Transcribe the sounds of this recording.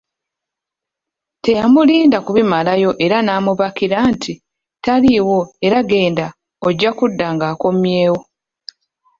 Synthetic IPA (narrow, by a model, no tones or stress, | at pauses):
te̞jamuliːndakuβimalajo̞ʔe̞ɾanaːmuβakiɾantʰi | taliwo̞e̞ɾaɡe̞ːnda | oɟːakudːaŋɡaːko̞mje̞ːwo̞